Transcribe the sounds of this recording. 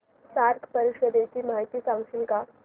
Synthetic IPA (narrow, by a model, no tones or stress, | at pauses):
saɾk̪ʰpəɾiɕəd̪et͡ɕimaɦjt̪iːsãŋɡɕilka